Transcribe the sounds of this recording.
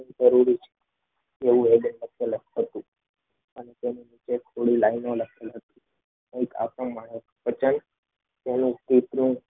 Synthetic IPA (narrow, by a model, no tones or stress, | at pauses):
ĩd͡ʒəɾuɾit͡ʃʰe̥ | eʋũeɡənləkʰeləɦət̪ũ | ənet̪enĩnit͡ʃet̪ʰoɽilainoləkʰelɦət̪ĩ̥ | eka̰pɾõmaɳ̃e | pət͡ʃən | t̪enũst̪it̪nũ